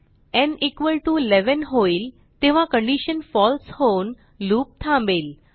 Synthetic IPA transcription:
ɛ̃nikʋəlʈulɛʋənɦoil | t̪eʋ̤ãkə̃ɳɖiɕənfɔlshon | luːp̚t̪ʰãmbel

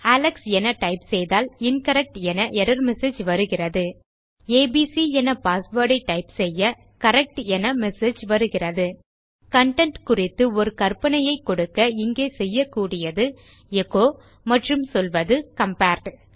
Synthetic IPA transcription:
aːlɐksɛnɐʈɐɪpsɛjðaːlɪnkɐɾɛk̚ʈɛnɐʔɛɾɐɾmɛseːd͡ʒʋɐɾɯɣɪrɐðɯ | eːbiːsiɛnɐpaːsʋoːɾɽɐɪʈːɐɪpsɛjːɐ | kɐɾɛk̚ʈɛnɐmɛseːd͡ʒʋɐɾɯɣɪrɐðɯ | kɐɳʈɛɳʈkʊrɪt̪ːɯɔɾɯkɐrpɐnɐjɐɪkːɔɽɯkːɐɪŋɡeːsɛjːɐkːuːɽɪjɐðɯ | ɛkoː | mɐʈrɯmsɔlʋɐðɯkɐmpaːɾʈ

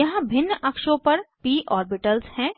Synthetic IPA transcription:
jɐɦãbʱɪnːʔɐkʃõpɐɾpiːʔɔːɾbɪʈəlshɛ̃ː

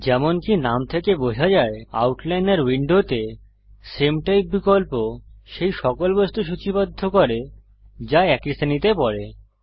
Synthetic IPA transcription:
d͡ʑɛmonkinamt̪ʰekebod͡ʑʱad͡ʑaea̰wʈlajneɾwiɳɖot̪e | semʈajp̚bikolpoʃejʃɔkolbost̪ʰuʃ̬ut͡ɕibad̪ʱːokoɾe | d͡ʑaɛkist̪ʰanit̪epɔɾe

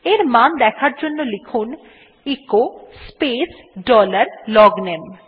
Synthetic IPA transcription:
eɾmand̪ɛkʰaɾd͡ʑonːolikʰun | ikospes | ɖɔlaɾlɔɡnem

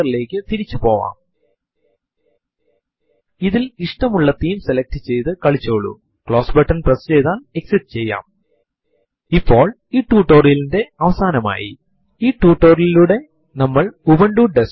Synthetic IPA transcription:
rile̞ːkːɨt̪iɾit͡ɕːupo̞ːʋa̰ːm | iðiliʂʈɐmuɭːɐt̪iːmselɐk̚ʈɨt͡ɕe̞jt̪ɨkɐɭit͡ɕːoːɭːṵ | kɭo̞ːsbɐʈːɐnprest͡ɕe̞jt̪aːne̞ksiʈːɨt͡ɕe̞jːa̰ːm | ipːo̞ːɭ | iːʈːuːʈːo̞ːrjilinde̞ɐʋɐsaːnɐma̰ːjḭ | iːʈːuːʈːo̞ːrililuɽe̞ | nɐmːɐɭuʋɐɳɖuːɖes

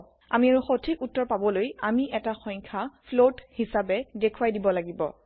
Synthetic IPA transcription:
a̰miaɹuxotʰikutːɔɹpabɔlojamiʔɛtaxɔjŋkʰapʰlothisabɛdekʰuwajdibɔlaɡibɔ̰

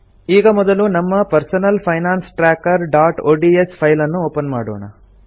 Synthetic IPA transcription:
iːɡɐmɔd̪ɐlunɐmːɐpɐɾsɐnɐlpʰɐjnaːnsʈɾaːkɐɾɖaːʈoːɖiespʰɐjlɐnːuoːpɐnma̰ːɽoːɳɐ

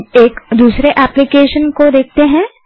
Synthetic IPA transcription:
eːkd̪uːsɾeʔɛːplɪkeːʃənkoɾeːk̚ʰt̪eɦɛ̃ː

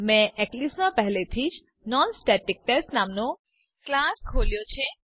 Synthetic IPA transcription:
mɛ̃ʔɛklismãpɛɦlet̪ʰiːd͡ʒ | nɔnsʈɛʈik̚ʈɛsnamno | klaskʰoljot͡ʃʰe

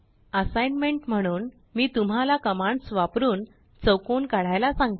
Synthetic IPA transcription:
əsajnmeɳʈm̤əɽ̃uːn | miːt̪um̤alakəmãɳɖsʋapɾuːn | t͡səwkoːnkaɽ̤ajlasãŋɡt̪

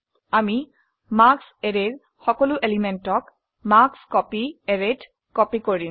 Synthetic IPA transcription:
ami | makseɹeɹ | xɔkɔluʔelimentɔk | makskɔpieɹet | kɔpikoɹi

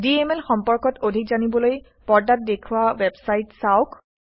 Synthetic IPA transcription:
diemɛlxɔmpɔɹkɔtodʱikzanibɔloj | pɔɹdat̚dekʰuwawebsajtsaʊk

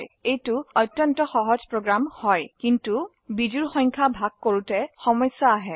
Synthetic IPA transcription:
jejtuɔtːjɔntɔxɔɦɔzpɹoɡɹamhɔjkintu | bid͡ʒuɹxɔjŋkʰabʱaɡ̚koɹutɛxɔmɔjsaːɦɛ

